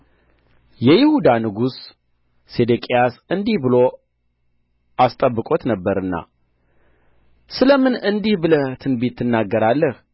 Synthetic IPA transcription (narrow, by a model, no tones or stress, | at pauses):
jɛjɪhud̪anɨɡusː | e̞d̪ekʼijasɨnd̪ihbɨlo̞ | ʔast̪ʼəbːɨkʼo̞t̪nəbːəɾɨnːa̰ | sɨləmɨnɨnd̪ihbɨlət̪ʰɨnbet̪ʰːɨnːaɡːəɾalːəh